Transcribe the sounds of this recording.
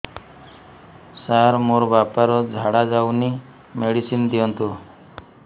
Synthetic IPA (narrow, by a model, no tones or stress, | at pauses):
saɾmoɾbapaɾɔd͡ʒʱaɽad͡ʒawni | meɽisind̪iɔnt̪u